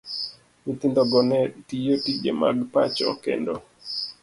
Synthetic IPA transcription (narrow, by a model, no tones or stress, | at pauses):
mit̪indɔɡɔnɛtijotid͡ʒḛma̰ɡpat͡ʃɔ̰kḛndɔ